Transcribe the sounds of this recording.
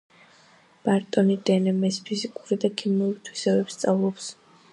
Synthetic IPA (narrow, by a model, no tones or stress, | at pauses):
b̥aɾt̪ʼɔnid̪ɛnɛmɛspʰizikʼuɾid̪akʰimuɾit̪ʰwisɛbɛbst̪sʼavlˠɔps